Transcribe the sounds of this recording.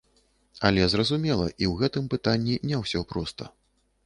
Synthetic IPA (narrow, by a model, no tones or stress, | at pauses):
ɐlʲɛzrɐzumʲɛlˠɐ̰ʔiwɣɛt̪ɨmpɨt̪anʲːinʲɛwsʲɔpɾɔst̪ɐ̰